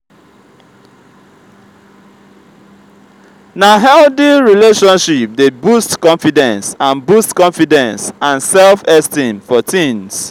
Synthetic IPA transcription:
naɦɛldiɹileʃɔ̃nʃip̚debustkɔ̃nfidɛ̃nsãnbustkɔ̃ɱfidɛ̃nsãnsɛlfɛstĩmfɔtĩns

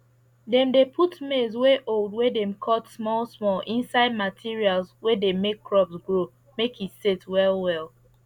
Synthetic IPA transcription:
dɛ̃mdepʰutmezweʔolˠdwedɛ̃mkʰɔtsmɔlˠsmɔlʔĩnsaɪd̚matʰiɹialˠswedemekːɹɔpsɡɹo | mekitsetwɛlwɛlˠ

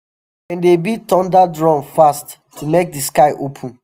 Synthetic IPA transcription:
ɛ̃ndebitɔ̃ndadɹɔ̃nfast | tʰːumek̚diskaɪʔopʰũn

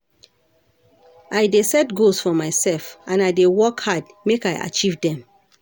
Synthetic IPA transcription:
ʔajdesɛtɡosfɔmaɪsɛlfãnajdewɔkhad | mekajʔa̰t͡ʃivdɛ̃m

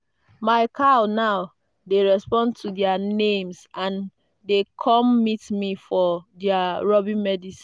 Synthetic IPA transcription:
maɪkʰanaʊ | deɹɛspɔ̃ntʰudianẽmsãn | dekʰɔmːitmifɔdiaɹɔbĩnmɛdisĩ̥

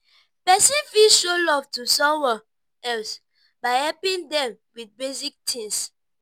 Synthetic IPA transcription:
pɛsĩnfilʃolɔv̥tusɔ̃mwɛ | ɛls | baɪhɛlpĩŋdɛ̃m | wiθbesik̚tʰĩŋs

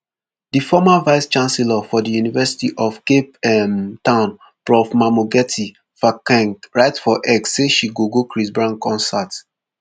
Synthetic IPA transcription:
difɔmavaɪst͡ʃãnsɛlafɔdijunivɛsi̥tiʔɔfkepɛmtãʊ̃n | pɹɔfmamoɡɛtʰi | fakɛ̃ŋkɹaɪtfɔʔɛksːeʃiɡoɡokɹisbɹãŋkɔ̃nsat

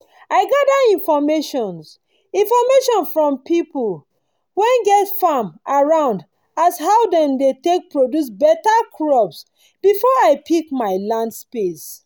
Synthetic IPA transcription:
aɪɡadaĩnfɔmeʃɔ̃ns | ĩnfɔmeʃɔ̃nfɹɔ̃mpipul | wɛ̃nɡɛtfamaɹãʊ̃nd | ashaʊdɛ̃mdetek̚pɹodjus̬bɛtakʰɹɔbs | b̥ifɔaɪpʰikmaɪlãndspes

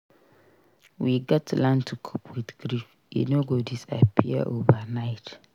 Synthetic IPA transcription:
wiɡɔtlãntʰukʰopʰwɪdɡ̥ɾif | jɛ̰noɡodisa̰pʰḭə̰ʔovanaɪt

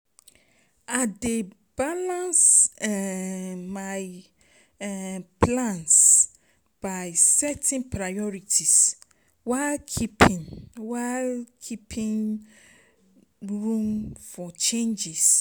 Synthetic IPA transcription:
ade | b̥alãnsɛ | maj | pʰlãns | b̥aɪsɛtʰĩnpʰɹajɔɹitʰis | waɪlkʰipʰĩnwalkʰipʰĩŋ | ɹũmfɔt͡ʃẽnd͡ʒis

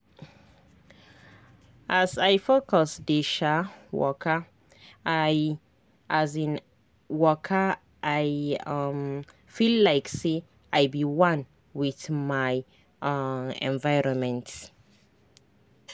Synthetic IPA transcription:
ʔazajfokɔsdiʃawɔ̰kʰə | aj | ʔazĩn | wɔkʰə | ʔajam | fillaɪkse | ajbiwãn | wiθmaj | ɛ̰̃nvaɪɹɔ̃nmɛ̃nt

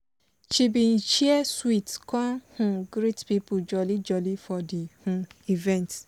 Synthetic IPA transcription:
t͡ʃibin̩t͡ʃiɛswitkɔhʊ̃ɡɾitpipʊd͡ʒɔlid͡ʒɔlifɔdihũivɛ̃nt

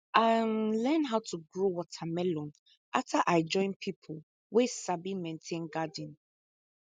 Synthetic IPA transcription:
anlɛ̃nɦaʊtʰuɡɹowɔtʰamɛlɔ̃n | ʔaftʰaʔaɪd͡ʒɔ̃ɪ̃npʰipʰol | wɛsabimɛ̃ntʰẽnɡadĩn

